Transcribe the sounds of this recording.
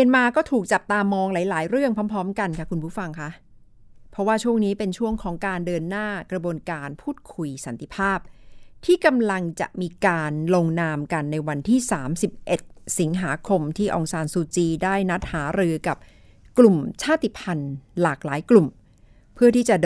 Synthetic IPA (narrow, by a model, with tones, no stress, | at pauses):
ənmaː˧kɔː˥˩t̪ʰuː˨˩k̚t͡ɕa˨˩p̚t̪aː˧mɔː˧ŋlaː˩˦jlaː˩˦jɾɯ˥˩əŋpʰɔ˦˥mpʰɾɔː˦˥mka˧nkʰa˦˥kʰu˧npʰuː˦˥˩fa˧ŋkʰa˦˥ʔ | pʰɔ˦˥waː˥˩t͡ɕʰu˥˩əŋniː˦˥pe˧nt͡ɕʰu˥˩əŋkʰɔː˩˦ŋkaː˧ndɤː˧nːaː˥˩kɾa˧bu˧ənkaː˧npʰuː˥˩t̪̚kʰu˧jsa˩˦nt̪i˧˩pʰaː˥˩p̚t̪ʰiː˥˩ka˧mla˧ŋt͡ɕa̰˨˩ʔmiː˧kaː˧nlo˧ŋnaː˧mka˧nːa˧jwa˧nt̪ʰiː˥˩saː˩˦msi˨˩p̚ʔe˨˩t̪̚si˩˦ŋɦaː˩˦kʰo˧mt̪ʰiː˥˩ʔɔ˧ŋsaː˧nsuː˧t͡ɕiː˧daː˥˩jna˦˥t̪̚haː˩˦ɾɯː˧ka˨˩p̚ | klu˨˩mt͡ɕʰaː˥˩t̪i˨˩pʰa˧nlaː˨˩k̚laː˩˦jklu˨˩m | pʰɯ˥˩ɐt̪ʰiː˥˩t͡ɕa˨˩d